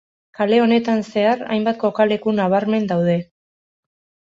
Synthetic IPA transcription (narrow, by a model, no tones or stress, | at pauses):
kale̞o̞ne̞t̪anse̞aɾa̰jmbat̪̚ko̞kale̞kunaβ̞aɾme̞nd̪awð̞e̞